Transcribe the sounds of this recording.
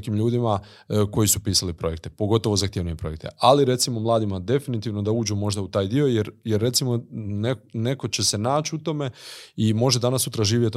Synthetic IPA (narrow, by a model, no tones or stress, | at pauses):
kiːmʎuːd̪ima | ko̞jisupiːsalipɾo̞je̞k̚t̪e̞̥po̞ɡo̞t̪o̞ʋo̞zaxt̪jeʋnuɲepɾo̞jek̚t̪ʰe̞̰ʔaliɾe̞t̪simo̞mlˠaːd̪imad̪e̞finit̪iːʋno̞d̪auːd͡ʑumo̞ʒd̪aut̪aːjd̪io̞jeɾjeɾːe̞t̪simo̞nene̞ko̞t͡ɕe̞se̞naːt͡ɕut̪o̞me̞imo̞ʒed̪anasut̪ɾaʒiːʋjet̪